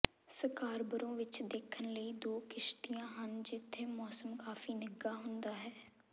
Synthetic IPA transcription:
səkaːɾbəɾõːʋɪt͡ʃd̪eːkʰːənləiːd̪oːkɪʃʈ̪ijãːɦənd͡ʒɪt̪ʰːeːmɔːsəmkaːfiːnəɡaːɦʊnd̪aːɦɛː

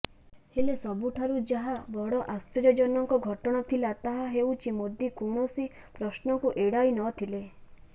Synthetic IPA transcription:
helesɔbuʈʰaɾud͡ʒaɦabɔɽɔʔast̪ɔd͡ʒɔd͡ʒɔnɔŋkɔɡʱɔʈɔɽ̃at̪ʰilat̪aɦaɦewt͡ʃʰimod̪ʱikoɽ̃ɔsi | pɾɔsnɔkuʔeɽajnɔt̪ʰile

